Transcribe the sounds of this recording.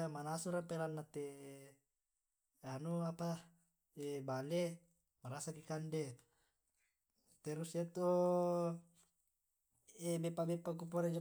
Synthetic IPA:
amanasuɾapelanːat̪e | anuapa | ebale | maɾasakikande | t̪eɾusjat̪o | ebepabepak̬up̬oɾed͡ʒa

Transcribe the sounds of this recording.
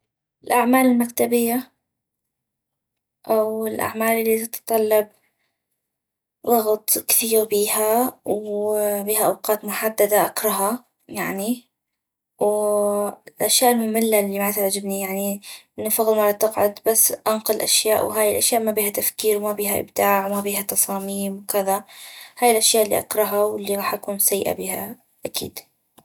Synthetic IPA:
ɪlʔaʕmaːlɪlmakt̪abɪjːa | ʔawɪlʔa̰ʕmaːlʔɪlːit̪ɪt̪t̪ˤɑlːɑb̚ | ðˤɑɣt̪ˤkθiːɾbiːhawbiːhaʔawqɑːt̪mʊħad̪ːad̪aʔakɾˤɑɦɑ | jaʕni | w | lʔaʃjaːʔɪlmʊmɪlːalːiːmat̪ʕad͡ʒɪbnijaʕniʔɪnːafɑɣlmaɾˤɑt̪ɪqʕʊd̪basːʔanqɑlʔa̰ʃjaːʔwɦaːjɪlʔaʃjaːʔmabiːhat̪afkiːɾwmabiːɦaʔɪ̰bd̪aːʕwmabiːhat̪ɑsˤɑːmiːmwkɪðahaːjɪlʔaʃjaːʔɪlːḭʔa̰kɾˤɑɦɑwɪlːiɣɑːħʔakuːnsajːɪʔa̰biːha̰ | ʔakḭːd̪

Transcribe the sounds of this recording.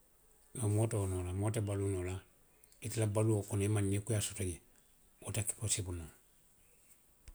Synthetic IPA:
ŋamɔtɔnɔlamɔtabalunɔla | itilabaluokɔnɔemanekujasɔtɔɲɛ | otaki̥kosebuna

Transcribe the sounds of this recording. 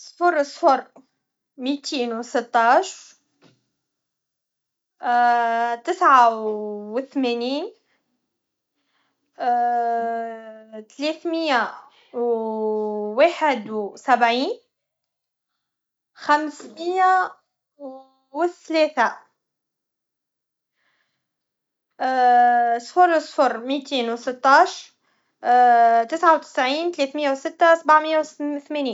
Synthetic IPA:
sˤfʊɾˤsˤfʊɾˤ | miːt̪iːnwsɪt̪ːɑːʃɾɾ | t̪ɪsʕawɪθmæːniːn | t̪leːθmɪjːa | w | waːħɪd̪sabʕiːn | xamsmɪjːa | wɪθleːθa | sˤfʊɾsˤfʊɾmiːt̪iːnwsɪt̪ːɑːʃɾ | t̪ɪsʕawt̪ɪ̥sʕiːnt̪leːθmɪjːawsɪt̪ːasabaʕmɪjːawθmeːniːn

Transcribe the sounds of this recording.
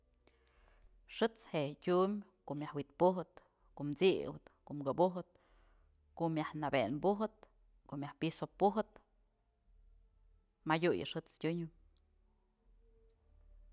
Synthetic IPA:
ʂɨt͡sheɟʲumkoʔmʲjahwit̪̚puɦɨt̪ | koʔmt͡sḭwɨ̰t̪koʔmɡɨbuɦɨt̪̚ | koʔmjahnabenbuɦɨt̪̚ | koʔmjahpisopuɦɨt̪ | majʲujɨ̰ʂɨt͡stʲuɲɨ

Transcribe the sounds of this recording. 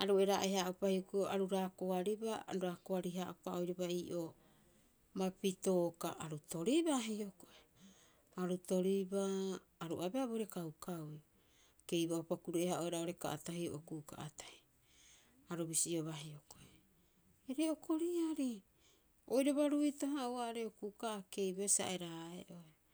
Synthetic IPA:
aɾueɾaʔehaʔopahiokujoʔaɾuɾaːkoaɾibaa̰ɾuɾakoaɾiɦaʔopao̞jɾobaiːʔo | mapito̞ːkaʔaɾuto̞ɾibaɦiokoʔe | aɾuto̞ɾibaː | ɾuʔabeaboɾe̞kawkawj | ke̞jbaopakuɾuʔehaʔoeɾaoɾe̞ka̰ʔatahio̰ʔokuka̰ʔatḁj | aɾubisioβaɦioko̞ʔe | eɾeokʰo̞ɾiaɾi | ojɾoβaɾuitoɦauaɾeokukaʔːke̞jbaesa̰ʔeɾaḛʔo̞e

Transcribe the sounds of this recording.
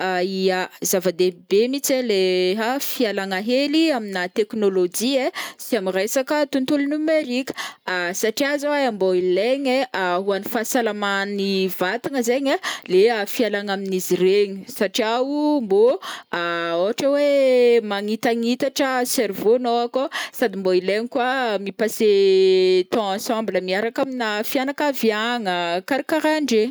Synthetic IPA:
aiazavad̪ebemit͡seleɦafialaŋaɦeliaminat̪eknolod͡ʒiesiamirejsakət̪unt̪ulnumeɾikə̥asaʈ͡ʂiazaaamboileɲeʔaɦuanifasalamanivat̪iŋəzeɲaleafialaŋaminizireɲi̥saʈ͡ʂiaumboaoɦaʈ͡ʂəwemaŋit̪aŋit̪aʈ͡ʂəsɛɾvonoakosad̪imboileɲikwamipase | t̪ɔ̃ãsãmbləmiaɾakaminafianakaviaŋəkaɾikaɾaɳɖ͡ʐe

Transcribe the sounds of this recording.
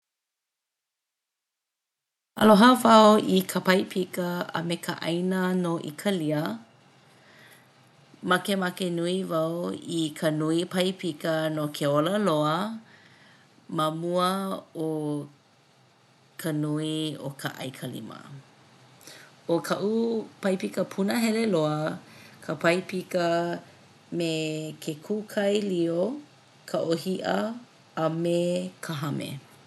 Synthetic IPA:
ɐ̰loɦavɐoikʰəpɐjpʰikəə̰mekəʔɐ̰jnənoʔḭkʰəliə | mɐkemɐkenuivɐoikʰənuipʰɐjpʰikənokʰeoləloə | məmuəo | kʰɐnuio̰kʰa̰ʔɐ̰jkʰɐlḭmə̰ | okʰɐʔupɐjpikəpʰunəɦɛleloəkʰəpʰɐjpikə | mekʰekʰukʰɐjlio | kʰəʔohiʔɐ | ɐmekʰəɦɐmʔḛ

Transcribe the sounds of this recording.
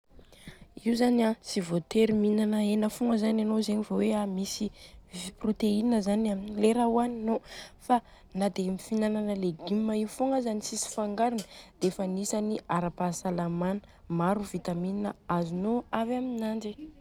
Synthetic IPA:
iuzaniasivot̪eɾiminanəenəfuŋəzananozeɲivoweamisiprot̪einəzanaminileɾawaninofa | nad̪emifinananəleɡimːaiwfoŋəzanisisi̥faŋɡaɾinəd̪̥eefənisaniaɾapasalamanə̥ | maɾuvit̪amininəazunoavaminand͡ʒe

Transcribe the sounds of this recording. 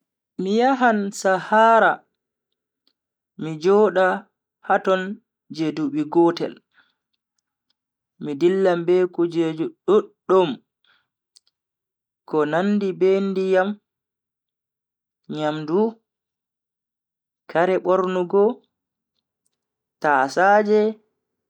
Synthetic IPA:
mijaɦansahaːɾa | mid͡ʒɔːɗa | hatɔn | d͡ʒeduɓiɡɔːtɛ̰l | midilːambekud͡ʒed͡ʒuɗɔ | ɔm | kɔnandibendijam | ɲamdu | kaɾɛɓɔɾnuɡɔ | tasaːd͡ʒɛ

